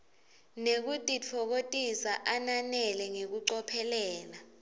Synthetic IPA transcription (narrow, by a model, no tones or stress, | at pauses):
nek̬utʼit͡fʰɔk̬otʼisaʔananɛlɛŋek̬uǀɔpʰɛlɛːla